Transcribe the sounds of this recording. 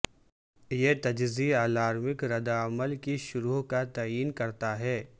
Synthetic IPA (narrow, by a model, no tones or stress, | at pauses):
jet̪ɐd͡ʒziaːlaːɾmɪkɾɐd̪aɐməlkiʃʊɾuːɦkat̪aːjiːnkɐɾt̪aɦɛː